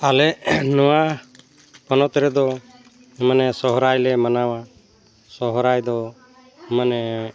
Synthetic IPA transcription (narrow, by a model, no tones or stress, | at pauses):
alɛnɔwa | pɔnɔt̪ɾɛd̪ɔ | imanɛsɔɦɔɾajlɛmanawa | sɔɦɾajd̪ɔ | imanɛ